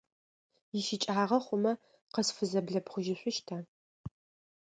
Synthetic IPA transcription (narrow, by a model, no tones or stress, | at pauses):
jɪʃɪt͡ʃʼaːʁɐχʷʊmɐ | qəsfɨzɐbɮɐbχʷʊʒɪɕʷʊʃtʰa